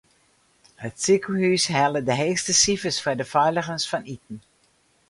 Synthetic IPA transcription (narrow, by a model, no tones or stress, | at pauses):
hətsikuhysɦɛlədəɦeːstəsifəsfɛdəfœɥləɣənsfɔnitn̩